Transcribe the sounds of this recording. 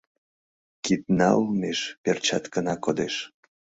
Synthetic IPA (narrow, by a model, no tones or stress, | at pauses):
kit̪̚nɑlmeʃpert͡ɕɑt̪kənɑkod̪eʃ